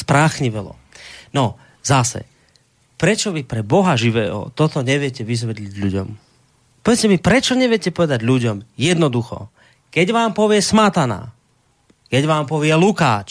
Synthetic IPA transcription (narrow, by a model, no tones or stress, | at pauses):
spɾaxɲiʋɛlɔ̰ | nɔ | zasɛ̰ | pɾɛt͡ʃɔʋipɾɛbɔɦaʒiʋɛːɦɔ̰t̪ɔt̪ɔɲɛʋɪjɛcɛʋizʋɛd̪liɟluɟɔ̰m | pɔʋɛcɛmipɾɛt͡ʃɔɲɛʋɪɛcɛpɔʋɛd̪aɟʎuɟɔmjɛd̪nɔd̪uxɔ̰ | kɛɟʋaːmpɔʋɪɛsmat̪ana̰ | kɛɟʋaːmpɔʋɪɛluka̰ːt͡ʃ